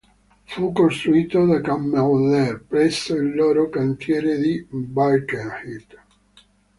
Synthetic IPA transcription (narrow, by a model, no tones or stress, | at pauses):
fukːost̪ɾuiːt̪od̪akamːeðɛrpɾɛsːoilːɔːɾokant̪jɛːɾed̪ibajkehit̪